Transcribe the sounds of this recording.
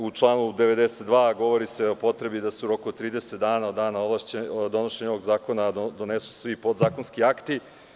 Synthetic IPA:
ut͡ʃlˠaːnud̪e̞ʋe̞d̪eset̪̚d̪ʋaːɡo̞ʋo̞ɾiseopo̞t̪ɾebid̪aseuɾo̞kuot̪ɾiːd̪e̞set̪d̪aːnaod̪d̪aːnaolˠaʃt͡ɕed̪o̞noʃeɲoʋoɡzaːko̞nad̪od̪o̞nesu̥sʋipo̞d̪zaːko̞nskiakt̪i

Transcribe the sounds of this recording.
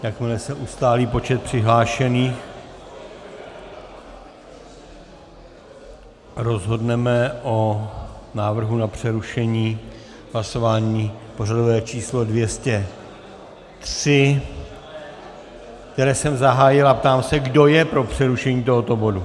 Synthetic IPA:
jakmɪlɛsɛʔust̪aːliːpo̞t͡ʃɛt̪̚pr̝̥ɪɦlaːʃɛniːx | ɾo̞zɦo̞dnɛmɛʔo | naːvr̩ɦunapr̝̥ɛɾuʃɛɲiː | ɦlaso̞vaːɲiːpo̞radovɛːt͡ʃiːslo̞dvjɛscɛ | t̪r̥ɪ | kt̪ɛɾɛːsɛmzaɦaːjɪlapt̪aːmsɛɡdo̞jɛpɾo̞pr̝̥ɛɾuʃɛɲiːt̪o̞ɦo̞t̪o̞bo̞du

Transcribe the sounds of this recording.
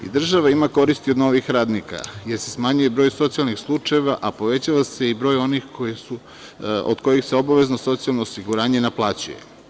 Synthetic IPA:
ḭd̪r̩ʒaʋaimako̞ɾist̪iod̪no̞ʋixɾaːd̪nika̰je̞ɾse̞smaɲuje̞bɾo̞ːjso̞t̪sialˠnixslˠut͡ʃajeʋaʔapo̞ʋe̞t͡ɕaʋase̞ibɾo̞ːjo̞nixkʰo̞jisu | o̰d̪̥ko̞jixseo̞baʋe̞zno̞so̞t̪sialˠnoːsiɡuɾaːɲe̞naplˠaːt͡ɕuje̞̰

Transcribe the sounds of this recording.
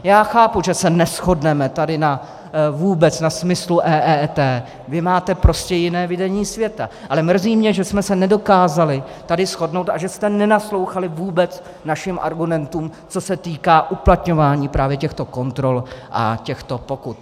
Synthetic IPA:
jaːxaːpuʒɛsɛnɛsxo̞dnɛmɛt̪adɪna | vuːbɛt͡snasmɪsluʔɛːʔɛt̪ɛː | vɪmaːt̪ɛpɾo̞scɛjɪnɛːvɪdɛɲiːsvjɛt̪a̰ʔalɛmr̩ziːmɲɛʒɛsmɛsɛnɛdo̞kaːzalɪ | t̪adɪsxo̞dno̞wt̪aʒɛst̪ɛnɛnaslo̞wxalɪvuːbɛt͡s | naʃɪmʔa̰ɾɡumɛnt̪uːmt͡so̞sɛt̪iːkaːʔuplat̪ɲo̞vaːɲiːpɾaːvjɛcɛxt̪o̞ko̞nt̪ɾo̞lʔa̰cɛxt̪o̞po̞kut̪

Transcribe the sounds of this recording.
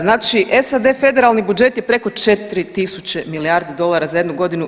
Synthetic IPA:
znaːt͡ʃiʔesad̪e̞fe̞d̪eɾalˠnibud͡ʒe̞t̪jepɾe̞ko̞t͡ʃe̞t̪ɾit̪isut͡ʃe̞miliaːɾd̪ed̪o̞lˠaɾazajed̪nuɡo̞d̪inu

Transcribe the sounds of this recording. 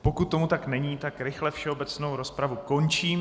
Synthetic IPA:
po̞kut̪ːo̞mut̪aknɛɲiːt̪akɾɪxlɛfʃɛo̞bɛt͡sno̞wɾo̞spɾavuko̞nt͡ʃiːm

